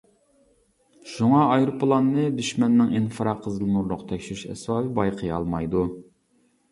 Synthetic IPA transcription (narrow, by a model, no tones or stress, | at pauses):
ʃuŋɑːjɾupʰːlˠɑnːɨd̪yʃmɛnːɪŋinfɨɾɑqʰːəzɨlˠɨnuɾlˠʊqt̪ʰɛkʲʃyɾyʃɛ̰svɑːvɨbɑjqʰəjɑ̰lˠmɑjd̪u